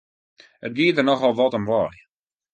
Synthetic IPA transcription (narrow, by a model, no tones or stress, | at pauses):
ət̚ɡiədərnɔχɔlˠʋɔtəmʋɔr